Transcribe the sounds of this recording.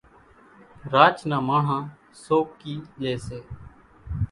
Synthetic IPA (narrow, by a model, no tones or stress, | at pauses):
ɾaːt͡ʃnãːmaːɳ̤ãː | soːkːiːleːseː